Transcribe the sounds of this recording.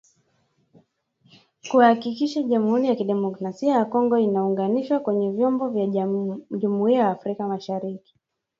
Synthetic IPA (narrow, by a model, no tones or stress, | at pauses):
kuwahakikiʃaʄamuhuɾijakiɗɛmɔkɾasiajakɔŋɡɔinauŋɡaniʃwakwɛɲɛvjɔmbɔvja | ʄumuiajaːfɾikamaʃaɾiki̥